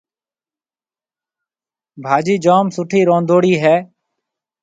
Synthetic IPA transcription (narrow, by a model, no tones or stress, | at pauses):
bʱaːd͡ʒiːd͡ʒoːmsʊʈʰiːɾõːnd̪oːɽiːɦɛː